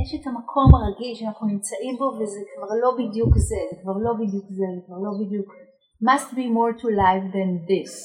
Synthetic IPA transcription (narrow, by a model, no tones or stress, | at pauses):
jɛʃetamakʰo̞maʁaɡilʃeanaχnunimt͡saʔimbo̞vezekvaʁlo̞bidjukzezekvaʁlo̞bidjukzezekvaʁlo̞bidjuk | mastbimoʁtʰulajfd̪and̪is